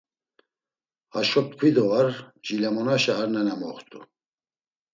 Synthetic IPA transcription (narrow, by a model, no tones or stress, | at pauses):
aʃɔt̚kʰwid̪ɔvaɾd͡ʒilamɔnaʃaːɾnɛnamɔχt̪ʼṵ